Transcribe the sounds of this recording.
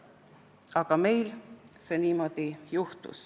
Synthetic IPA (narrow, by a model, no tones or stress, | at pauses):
ɑɡ̥ɑme̞jlse̞niːmo̞d̪̥ijuht̪ṵs